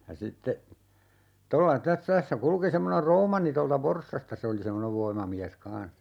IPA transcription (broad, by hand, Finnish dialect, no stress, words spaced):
jɑ sitːe tolːɑ tæ tæsːæ kulki semːoner roːmɑnːi toltɑ ʋorsːɑstɑ se oli semːoneʋ ʋoimɑmiæs kɑns